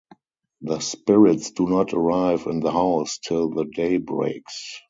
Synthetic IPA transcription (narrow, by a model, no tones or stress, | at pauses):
ðəspɪɹɪtsd̥unɔtʰəɹaɪvɪ̃nðəhaʊstʰɪlðədeɪbɹḛɪks